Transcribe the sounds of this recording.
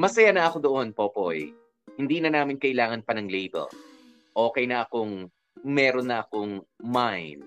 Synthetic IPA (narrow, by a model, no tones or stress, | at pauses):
mɐsɐjanɐʔɐko̞d̪oʔo̞npoːpoj | hɪnd̪iːnɐnaːmɪnkɐʔɪlaːŋɐnpɐnɐŋlejbɛ̰l | ʔo̞ːkɛjnɐʔɐkoŋ | mɛːɾonːɐʔɐkoŋmajnd̪̥̚